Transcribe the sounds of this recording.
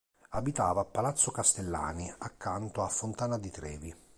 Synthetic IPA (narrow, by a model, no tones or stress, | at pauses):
abit̪aːvaːpːalat̪sːʊkast̪elːa̰ːniakːant̪oafːʊnt̪aːnad̪it̪ɾɛ̰ːvi